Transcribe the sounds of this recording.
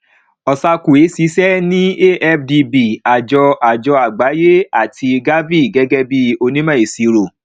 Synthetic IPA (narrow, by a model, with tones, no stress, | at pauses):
ɔ˨sa˧ku˨e˨˦si˨˦sɛ˦nĩ˦e˦ʔɛ˦fdi˧bi˨a˨d͡ʒɔ˧a˨d͡ʒɔ˧a˨ɡ͡ba˨˦je˦a˦˨ti˧ɡa˦vi˦˨ɡɛ˦ɡɛ˦bi˦o˧nĩ˦mã˦˨e˨si˨˧ɾo˨